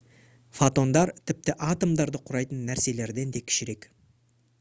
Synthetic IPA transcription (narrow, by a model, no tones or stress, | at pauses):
fot̪o̞nd̪ɑɾt̪ʰɪp̚t̪ɪʔɑt̪o̞md̪ɑɾd̪əqʰʊɾɑjt̪ənːæɾse̞le̞ɾd̪e̞nd̪e̞kʲʰɪ̥ʃɪɾe̞k